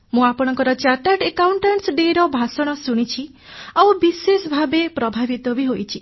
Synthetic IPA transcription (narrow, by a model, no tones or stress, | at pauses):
mũapɔɽ̃ɔŋkɔɾɔt͡ʃaʈaʈekawɳʈaɳʈsɖeɾɔbʱasɔɽ̃ɔsuɽ̃it͡ʃʰi | awbisesɔbʱabepɾɔbʱabit̪ɔbiɦojt͡ʃʰi